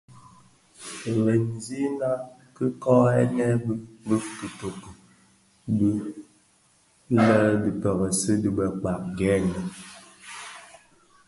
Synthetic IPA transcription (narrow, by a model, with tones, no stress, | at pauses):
ɣɛ˨nzi˦na˦ | kɨ˦kɔ˦ɛ̰˦nɛ˦bə˦bɨ˦kɨ˨to˨kə˨ | bi˦ | lɛ˦ldi˨pɛ˨ɣə˨sɨ˦di˦bɛ˨k͡pa˨ʔɡɛː˦nɛ˨